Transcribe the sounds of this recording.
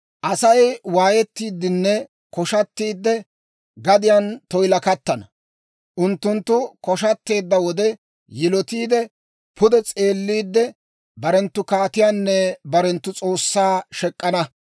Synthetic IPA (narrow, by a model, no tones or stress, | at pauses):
ʔɐsɐjwaːjɛt̪ːiːd̪ːɪnːɛ | kɔʃɐt̪ːiːd̪ːɛ | ɡɐd̪ɪjɐnt̪ɔjlɐkɐt̪ːɐnɐ | ʔʊnt̪ːʊnt̪ːʊkɔʃɐt̪ːe̞ːd̪ːɐwɔd̪ɛ | jɪlɔt̪iːd̪ɛ | pʰʊd̪ɛt͡sʼe̞ːlːiːd̪ːɛ | bɐɾɛnt̪ːʊkaːt̪ɪjaːnːɛbɐɾɛnt̪ːʊt͡sʼo̞ːsːaːʃɛkʼːɐnɐ